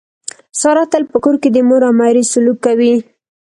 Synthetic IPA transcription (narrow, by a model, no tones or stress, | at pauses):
sɑɾɑt̪əlpəkoɾked̪əmoɾamɑɾisʊlukːawi